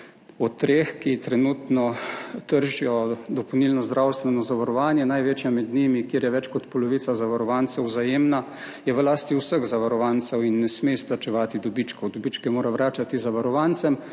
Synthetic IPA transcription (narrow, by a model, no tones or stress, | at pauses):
ɔt̪ːɾeːxkit̪ɾɛnut̪nɔt̪əɾʒijɔd̪ɔpɔwnilnɔzd̪ɾʔaːwst̪ʋɛnɔzaʋaɾɔʋaːnjɛnajʋeːt͡ʃjamɛd̪nimikjeːɾjɛʋɛt͡ʃkɔt̪pɔlɔʋiːt̪sazaʋaɾɔʋant̪sɛwzajeːmna | jɛʋlaːst̪iuwsəɣzaʋaɾɔʋaːnt̪sɛwinːɛsmesplat͡ʃɛʋaːt̪id̪ɔbit͡ʃkɔwd̪ɔbit͡ʃkɛmoːɾaʋɾaːt͡ʃat̪izaʋaɾɔʋant̪sɛm